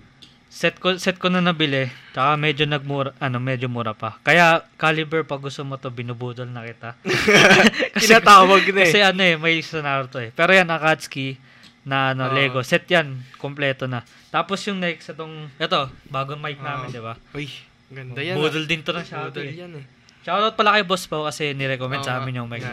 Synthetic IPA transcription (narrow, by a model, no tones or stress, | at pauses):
sɛt̪̚kosɛt̪̚konɐnɐbɪlɛt͡ʃɐkamɛd͡ʒo̞nɐɡ̚muːɾɐʔɐno̞mɛd͡ʒomuɾɐpɐkɐjakaːlɪbɛɹpɐɡʊst̪omot̪o̞bɪnubuːd̪olnɐkɪt̪a | kɐɪsɛaaːwɐɡnɐkɐsɛʔɐno̞ʔɛmɐjsɛnaːɾot̪o̞ɛpɛːɾojanɐkad̪ski | nɐʔɐnolɛɡo̞sɛt̪̚jankomplɛːt̪onɐ | t̪aːpo̞sjʊŋnɛksʔɛt̪o̞ŋʔɛt̪o̞baːɡomajk̚naːmɪnd̪ɪba | ɡɐd̪abuːd̪old̪ɪnt̪onɐʃat̪oɛ | ʃawd̪aʊt̪̚pɐlɐkɐjobospɐwkɐsɛnɛɾɛkomɛnd̪sɐaːmɪnjʊŋmaj